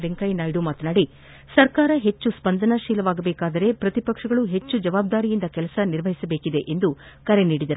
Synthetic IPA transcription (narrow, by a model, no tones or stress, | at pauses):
ʋeŋkɐjnaːjɖumaːt̪ɐnaːɽi | sɐɾkaːɾɐɦe̞t͡ʃːuspɐnd̪ʱɐnɐʃiːlɐʋaːɡɐbeːkaːd̪ɐɾe̞pɾɐt̪ipɐkʂɐɡɐɭuɦe̞t͡ʃːud͡ʒɐʋaːb̚d̪aːɾijind̪ɐkɛlɐsɐniɾʋɐɦisɐbe̞ːkid̪e̞ʔend̪u | kɐɾe̞niːɽid̪ɐɾu